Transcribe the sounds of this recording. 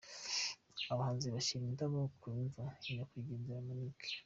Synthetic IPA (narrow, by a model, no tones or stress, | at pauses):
aβahaːnziβaʃiɾindaβokʰunvaiɲakwiːɟeːndiɾamanikʰe̥